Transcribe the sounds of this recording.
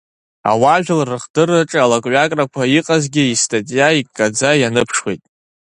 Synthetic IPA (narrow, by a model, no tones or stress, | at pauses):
a̰waʒᶣɪlrɨχdɨraʈ͡ʂʼalakʼɥakʼrakʷʰaiqʼazɡʲɪistʰʼatʼjaikʼːad͡zajanɨpʰʂwḛjtʼ